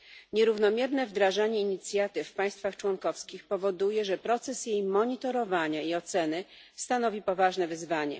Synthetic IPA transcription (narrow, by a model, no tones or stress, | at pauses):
ɲɛɾuvnɔmʲjɛɾnɛvd̪ɾaʐaɲɛiɲit̪sʲjat̪ɘfːpaj̃st̪faxt͡ʂwɔnkɔfskʲixpɔvɔd̪ujɛʐɛpɾɔt̪sɛsjejmɔɲit̪ɔɾɔvaɲaiɔt̪sɛnɘ | st̪an̪ɔvʲipɔvaʐnɛvɘzvaɲɛ̰